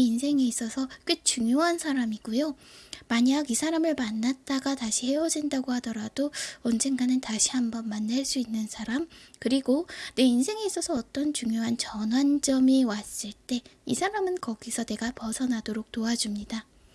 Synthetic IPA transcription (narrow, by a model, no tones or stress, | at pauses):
einsʰe̞ŋeis͈ʌsʰʌk͈ɯt͡ɕuŋjoɦansʰaɾamiɡ̥ujo | maɲaɡisʰaɾamɯɭmanːat̚t͈aɡataɕʰihe̞wʌd͡ʑindaɡohadʌɾadoʌnd͡ʑe̞nɡanɯntaɕʰihambʌnmanːaɭs͈uinːɯnsʰaɾamkɯɾiɡone̞insʰe̞ŋeis͈ʌsʰʌːt͈ʌnt͡ɕuŋjoɦant͡ɕʌnwand͡ʑʌmiwas͈ɯɭt͈e̞ḭsʰaɾamɯnkʌɡisʰʌne̞ɡapʌsʰʌnadoɾok̚t͈oad͡ʑumɲida